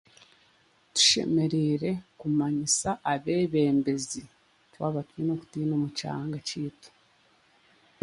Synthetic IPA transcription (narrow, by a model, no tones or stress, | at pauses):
tu̥ʃe̞̰me̞ɾeɾe̞kumaɲisaʔːβe̞ːβe̞ːmbe̞zi | twaːβatwinoku̥tiːnomut͡ʃa̰ːŋɡat͡ʃiːtu̥